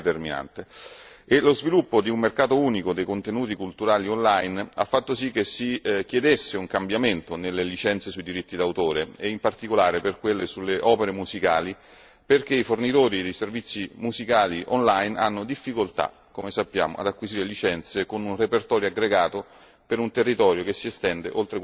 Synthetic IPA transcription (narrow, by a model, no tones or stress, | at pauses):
t̪ermina̰nt̪eelozvilupːod̪iummerkaːt̪ouːnikod̪ejkont̪enuːt̪̬ikult̪uɾaːliɔnlajna̰fːat̪ːosik̟ːesik̟jed̪esːeuŋkambjament̪onelːelit͡ʃɛnt̪sesuid̪iɾit̪ːid̪awt̪oːɾeeimpart̪ikolaːɾeperkwelːesulːeʔɔːpeɾemuzikaːli | perk̟eifornit̪oːɾid̪ejservit̪sːimuzikaːliʔɔnlajna̰nːod̪ifːikolt̪a̰ | komesapːja̰ːmo̰a̰d̪akːwiziːɾelit͡ʃɛnt̪sekonunrepert̪ɔːɾjoaɡɾeɡaːt̪o | peɾunt̪erːit̪ɔːɾjokesːiest̪ɛnd̪eʔolt̪ɾek